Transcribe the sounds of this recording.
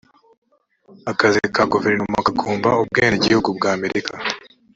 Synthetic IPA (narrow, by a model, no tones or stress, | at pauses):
akazekaɡuveɾnumakakʰuːmbaub̚ɡeːniɟihuɡubɡaːme̞ɾʔikʰa